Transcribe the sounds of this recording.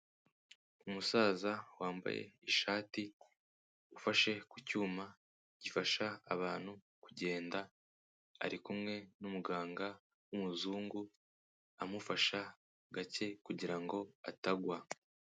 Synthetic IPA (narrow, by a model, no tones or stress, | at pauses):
umusaːzawaːmba̰jḛiʃaːti | ufaʃe̞kucuːma | ɟ̥ifaʃaːβaːn̥hu | kuɟe̞ːnda̰ː | ɾikumŋe̞numuɡaːŋɡa | wumuzuːŋɡu | amufaʃa | ɡace̞kuɟiɾaŋɡo̞a̰taɡwa